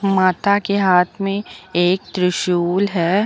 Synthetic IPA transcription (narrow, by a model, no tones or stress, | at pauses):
maːt̪akeɦaːt̪ʰmẽeːk̚t̪ɾɪʃuːlɦɛː